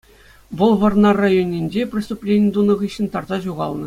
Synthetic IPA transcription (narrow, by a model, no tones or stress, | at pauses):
ʋɤlˠʋɤ̆rnɑrajonʲːinʲd͡ʑepʲrʲisʲt̪uplʲenʲɪ̆d̪unɤ̆ʁɯɕːɘ̆nʲt̪ɑrzɑʑuʁɑlˠnɤ̆